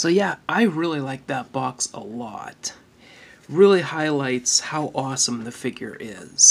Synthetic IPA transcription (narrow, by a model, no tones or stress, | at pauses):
soʊjæʔaɪɹɪlˠilaɪk̚ðət̚b̥ɑksə̰lɔ̰t̚ | ɹɪlˠihaɪlaɪtshaʊʔɔsə̃mðɨfɪɡjə̰˞ʔɪ̰z̥